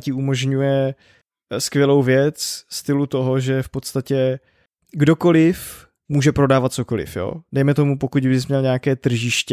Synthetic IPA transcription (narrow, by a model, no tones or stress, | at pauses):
cɪumo̞ʒɲujɛ | skvʲjɛlo̞wvjɛt͡sst̪ɪlut̪o̞ɦoʒɛfpo̞t̪st̪acɛ | ɡdo̞ko̞lɪf | muːʒɛpɾo̞daːvat̪̚t͡so̞ko̞lɪ̰fjo̰ːdɛjmɛt̪o̞mupo̞kuɟbɪs̬mɲɛlɲɛakɛːt̪r̩ʒɪʃcɛ